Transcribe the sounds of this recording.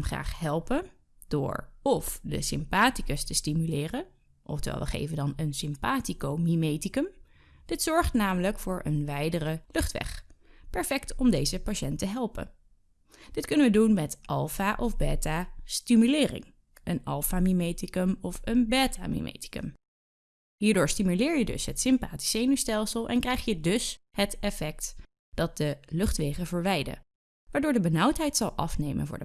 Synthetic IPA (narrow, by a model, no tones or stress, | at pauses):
χra̰ːχɦɛlˠpə | d̥ʊ̰ːɹɔfdə̰sɪmpaːtikəstəstimylɪːrən | ʔɔ̰ftəʋɛ̰lˠʋə̰χḛjvəndɑnənsɪmpaːtikowmimejtikəm | d̥ɪtsɔɹχtnaːmələkfʊːɹʔə̰nʋɛjdərəlɵχtʋɛ̰χpɛɹfɛktɔmdejzəpaʃɛntəɦɛlˠpə̰ | d̥ɪtkɵnənʋədunmɛtʔɑlˠfaʔɔvbɛːtastimylɪːrɪ̰ŋ | ənɑlˠfamimejtikəmɔfənbɛːta̰ːmḭmʔḛjti̥kə̰m | ɦiːɹdʊːɹstimylɪːɹjədɵ̰sɦətsɪmpaːti̥sejnustɛlˠsəlˠʔɛ̰nkrɛjχjədɵshətɛfɛk̚t | d̥ɑt̚dəlɵχtʋejχəvəɹʋɛjdə̰ | ʋaːɹdʊːɹdəbənʌwtɦɛjtsɑlˠʔɑ̰fnejmə̰nvʊ̰ːɹdə